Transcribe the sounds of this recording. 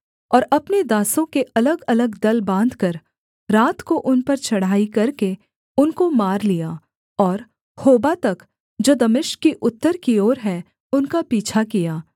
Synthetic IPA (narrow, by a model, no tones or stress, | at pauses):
ɔːɾɐpned̪aːsõkeʔɐləɡɐləɡd̪ɐlbãːnd̪ʱkɐɾ | ɾaːt̪koʔʊnpɐɾt͡ʃɐɽ̤aːikɐɾke | ʊnkomaːɾlija | ɔːɾ | hoːbat̪ɐk | d͡ʒoːd̪ɐmɪʃkkːiʔʊt̪ːəɾkioːɾɦɛ | ʊnkapiːt͡ʃʰakijaː